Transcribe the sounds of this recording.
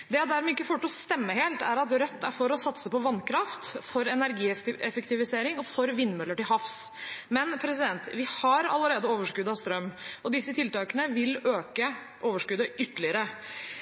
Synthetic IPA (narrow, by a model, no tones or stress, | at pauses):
d̪ɛjɑd̪æɾmɛɪkːəfɔʈːɔst̪ɛmːəɦeːlt̪æɾɑt̪ɾœt̪ʰːæɾfɔɾɔsɑt̪səpɔʋɑnkʰɾɑft̪fɔɾɛnæɾɡiːɛfəkt̪ɪʋɪseːɾɪŋɔfɔɾʋɪnːmœlːəʈɪlɦɑfsmɛnpʰɾɛsɪd̪ɛnt̪ʋɪhɑɾɑ̰ləɾeːd̪əoːʋəʂkʉd̪ɑʋst̪ɾœmːɔd̪ɪsːət̪ʰɪlt̪ɑːkənəʋɪløːkə | ʔoːʋəʂkʉd̪əʔʏt̪ːəlɪəɾə